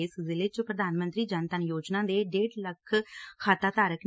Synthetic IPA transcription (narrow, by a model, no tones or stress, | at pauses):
szɪleːt͡ʃopɾəd̪aːnmə̃nt̪ɾiːd͡ʒənt̪ənjoːd͡ʒnãːd̪eːɖeːɖləkʰkʰaːt̪aːt̪aːɾəkn